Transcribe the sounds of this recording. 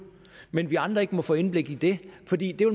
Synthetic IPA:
menʋiɑ̈nd̥ʁɐe̝ɡ̥əmɒ̽fɔ̰ːe̝nb̥le̝ɡ̥id̥e̝fɒ̽d̥ḭːd̥e̝ʋel

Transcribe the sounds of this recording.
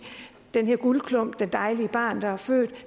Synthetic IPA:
d̥enɦeɐɡ̥ulkʰlɔ̽m̰b̥d̥end̥ɑ̈ɪliəb̥ɑ̰̈ːnd̥ɑ̈hæɐfø̰ːd̥

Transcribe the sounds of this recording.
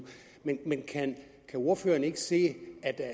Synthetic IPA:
menmenkʰæn | kʰæo̝ɐ̰fø̰ːɐnəe̝ɡ̥əse̝̰ːæd̥æ

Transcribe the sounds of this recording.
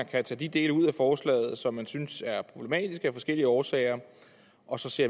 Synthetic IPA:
ænkʰæt͡sʰɛ̰ːd̥id̥e̝̰ːləuð̰ˠæfɒːslɛ̰ːɪð̞̩ˠsɒ̽mːænsynsæɐpʰʁo̝b̥le̝mɛ̰ːd̥isɡ̥əæfɒ̽sɡ̥el̰iəɒːsɛ̰ɪɐ | ʔɒ̽sɒ̽se̝ɐ̰

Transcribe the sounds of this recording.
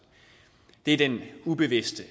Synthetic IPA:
d̥e̝æɐd̥enub̥e̝ʋe̝sd̥ə

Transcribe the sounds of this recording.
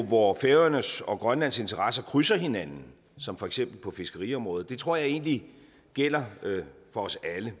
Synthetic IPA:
ʋɒfeʊɐnəsɒ̽ɡ̥ʁɶnlæn̰se̝nt͡sʰɐʁɑsɐkʰʁysɐɦe̝nænn̩ | sɒ̽mfɒ̽eɡ̥sem̰b̥l̩pʰɒ̽fe̝sɡ̥əʁḭɒ̽mʁɔ̽ːð̩ˠd̥e̝t͡sʰʁo̝ɐ̰jɑ̈ɪe̝ːnli | ɡ̥el̰ɐfɒ̽ɒ̽sælə

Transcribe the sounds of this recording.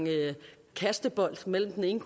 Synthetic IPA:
ŋ | kʰæsd̥əb̥ɒ̽l̰d̥mel̰m̩d̥ene̝ŋkʰ

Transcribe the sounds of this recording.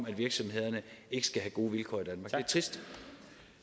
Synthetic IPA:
mæd̥ʋiɐɡ̥sɒ̽mhe̝ð̰ˠɐnəe̝ɡ̥sɡ̥æɦæɡ̥o̝ːʋilkʰɒ̰ːid̥ænmɑ̈ɡ̥e̝ɐt͡sʰʁisd̥

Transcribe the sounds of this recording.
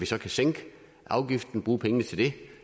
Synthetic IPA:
ʋisɒ̽kʰæseŋ̰ɡ̥ə | ɑ̈ʊɡ̥ifd̥n̩b̥ʁuːpʰeŋənət͡sʰe̝ld̥e̝

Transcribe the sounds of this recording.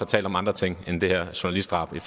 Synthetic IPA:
ɒt͡sʰɛ̰ːld̥ɒ̽mɑ̈nd̥ʁɐt͡sʰeŋ̰end̥e̝hæɐ̰ɕunælisd̥ʁɑ̈b̥if

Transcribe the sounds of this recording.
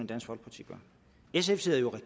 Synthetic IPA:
əd̥æn̰sɡ̥ʋɒ̽l̰̥̚ʰɑt͡sʰiɡ̥ɐ | es̬efse̝ð̰ˠɐjo̝ʁɛ̥

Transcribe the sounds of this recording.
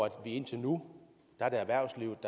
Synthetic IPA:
æd̥ʋie̝n̰t͡sʰe̝nu | d̥ɑ̈ɐɾe̝æʋæɐ̰sliʊ̰d̥

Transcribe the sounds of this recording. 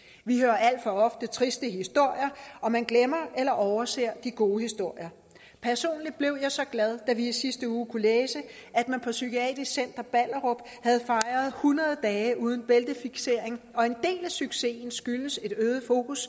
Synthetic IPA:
ʋihøɐæl̰d̥fɒ̽ɒ̽fd̥ət͡sʰʁisd̥əɦisd̥o̝ɐ̰jɐɒ̽mænɡ̥lemɐʔelɐʔɒʊɐse̝ɐ̰d̥iɡ̥o̝ːhisd̥o̝ɐ̰jɐ | pʰæɐso̝̰ːnlid̥̚b̥le̝ʊ̰jɑ̈ɪsɒ̽ɡ̥læð̞ˠd̥æʋiisisd̥əuːkʰuleːsəæd̥mænpʰɒ̽sykʰiɛ̰ːd̥isen̰d̥ɐb̥ælɐʁob̥ | hæð̞ˠfɑ̈ɪɐð̞ˠhunɐð̞ˠd̥ɛːuːð̞ˠn̩b̥eld̥əfiɡ̥se̝ɐ̰e̝ŋɒ̽e̝nd̥e̝̰ːlæsyɡ̥se̝̰ːnsɡ̥yləse̝ɾ̥øːð̞̩ˠfo̝̰ːkus

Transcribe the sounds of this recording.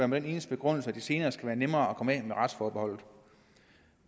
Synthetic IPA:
æɐmed̥ene̝ːnəsd̥ə̥b̥e̝ɡ̥ʁɔ̽n̰l̩səæd̥ise̝ːnɐːsɡ̥æʋæːɐnemɐːɒkʰɒ̽mɛmeʁɑ̈d̥sfɒːb̥eɒ̽l̰ð̩ˠ

